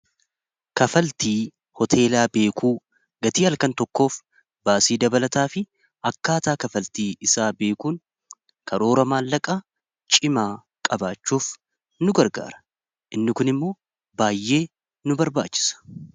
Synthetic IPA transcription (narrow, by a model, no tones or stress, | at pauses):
kɐfɐlt̪iː | hɔt̪ʰe̞ːlaːbe̞ːkʰuː | ɡɐt̪iːɐlkɐnt̪ɔkːo̞ːf | baːsiːd̪ɐbɐlɐt̪aːfɪ | ɐkːaːt̪aːkɐfɐlt̪iːɪsaːbe̞ːkuːŋ | kʰɐɾo̞ːɾɐmaːlːɐkʼa | t͡ʃʼɪmaː | kʼɐbaːt͡ʃːuːf | nʊɡɐɾɡa̰ːɾɐ̥ | ʔɪnːɪkʊnɪmːo̞ː | baːjːe̞ː | nʊbɐɾba̰ːt͡ʃːɪ̥sɐ̥